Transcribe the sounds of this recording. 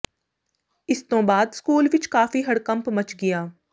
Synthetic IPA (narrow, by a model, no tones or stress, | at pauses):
ɪst̪õːbaːd̪skuːlʋɪt͡ʃkaːfiːɦəɽkə̃mpmət͡ʃɡɪjaː